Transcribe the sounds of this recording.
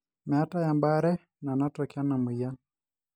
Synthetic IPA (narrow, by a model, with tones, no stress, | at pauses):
mɛ˨a˦ta˦jamba˦ɾɛ˦ | na˨natɔkia˦na˨mi˨ja˦